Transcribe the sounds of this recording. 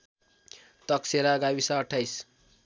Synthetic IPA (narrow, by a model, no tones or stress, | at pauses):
t̪ʌkseɾaɡabisʌːʈʰːajs